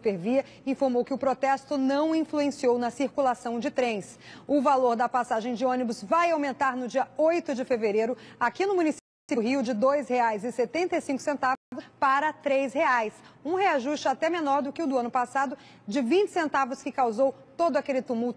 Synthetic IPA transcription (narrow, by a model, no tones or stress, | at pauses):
peɾviɐ | ĩfoɾmowkɪʊpɾot̪ɛst̪ʊnɐ̃w̃ĩfluẽsiownɐsiɾkulasɐ̃w̃d͡ʒɪt̪ɾẽj̃s | ʊvaloɾd̪ɐpasaʒẽj̃d͡ʒɪõnibʊzvajawmẽnt̪aɾnʊd͡ʒiɐojt̪ʊd͡ʒɪfeveɾeɾʊakinʊmũnisipsiɦiʊd͡ʒɪd̪ojsheajzɪset̪ẽnt̪ejsĩŋkʊ̥sẽnt̪avʊspaɾɐt̪ɾejsheajsũɦeaʒuʃt͡ʃɪat̪ɛmenɔɾd̪ʊkɪʊd̪ʊɐ̃nʊpasad̪ʊ | d͡ʒɪvĩnt͡ʃɪ̥sẽnt̪avʊskɪkawzow | t̪od̪ʊakelɪt̪umuwt̪